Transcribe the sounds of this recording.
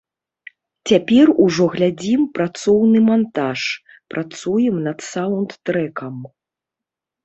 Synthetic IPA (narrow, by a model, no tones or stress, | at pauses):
t͡sʲapʲɛruʐɔɣlʲad͡zʲimpɾat̪sɔwnɨmant̪aʂ | pɾʔat̪sujɛmnɐt̪sawnt̪ːɾɛkɐm